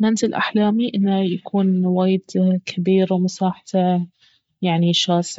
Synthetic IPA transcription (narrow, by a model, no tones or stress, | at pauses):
mant̪ɪlʔa̰ħlaːmiʔɪnːajakʰuːnwaːjɪd̪kʰabiːɾwmʊsɑːħt̪ʰa | jaʕniʃɑːs